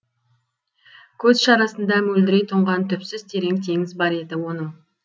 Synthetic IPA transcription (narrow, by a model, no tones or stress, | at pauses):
kʲʰɵzʃɑɾɑsənd̪ɑmɵld̪ɪɾejt̪ʰoɴʁɑnt̪ʰʏpsɪz̥t̪ʰe̞ɾe̞ŋt̪ʰe̞ŋɪzbɑɾe̞d̪ɪwo̞nəm